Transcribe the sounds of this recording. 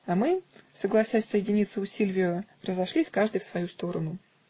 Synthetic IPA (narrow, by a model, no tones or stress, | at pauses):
ɐmɨsəɡlˠɐsʲasʲsəjɪdʲɪnʲit̪sːəʊsʲilʲvʲɪjʊrəzɐʂlʲisʲkaʐd̪ɨjfsvɐjust̪o̞ɾənʊ